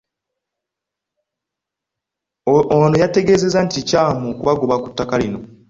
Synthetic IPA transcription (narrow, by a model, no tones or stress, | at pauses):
ono̞jate̞ɡe̞ːze̞zanticaːmokuβaɡoβaku̥tːakalino̞